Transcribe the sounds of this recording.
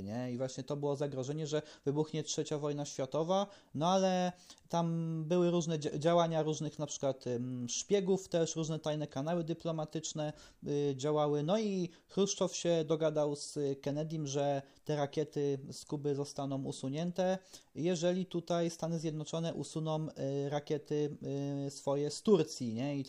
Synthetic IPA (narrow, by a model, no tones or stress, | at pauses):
ɲɛivwaɕɲɛt̪ɔbɘwɔzaɡɾɔʐɛɲɛʐɛvɘbuxɲɛtʂɛt͡ɕavɔjn̪aɕfʲjat̪ɔva | nɔalɛt̪ambɘwɘɾuʐnɛd͡ʑawaɲaɾuʐnɘxnapʂɘ̥kwat̪ʂpʲjɛɡuft̪ɛʂɾuʐnɛt̪ajnɛkanawɘd̪ɘplɔmat̪ɘt͡ʂnɛ | d͡ʑawawɘnɔi | kɾuʂt̪ɔfɕɛd̪ɔɡad̪awskɛnɛd̪ʲjimʐɛt̪ɛɾakʲjɛt̪ɘskubɘzɔst̪anɔ̃w̃ṵsuɲɛnt̪ɛjɛʐɛlʲit̪ut̪ajst̪anɘzʲjɛd̪nɔt͡ʂɔnɛʔusunɔmɾakʲjɛt̪ɘsfɔjɛst̪uɾt̪sʲjiɲɛi